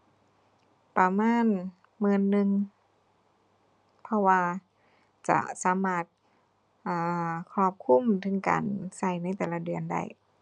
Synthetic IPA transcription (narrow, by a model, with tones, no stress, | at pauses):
pa˧maː˧˥˨n | mɯː˧˨nːɯ˧ŋ | pʰɔ˧waː˧ | t͡ɕa̰˧˩saː˨˦maː˧˩t̪̚ | ʔaː˧˩kʰɔː˧˩p̚kʰu˧˥˨mt̪ʰɯ˧˦ŋka̰ː˨nsa˧˩jna˧˥˩jt̪ɛː˨˩la˧˥dɯ˨˩ənda̰˧˥˩j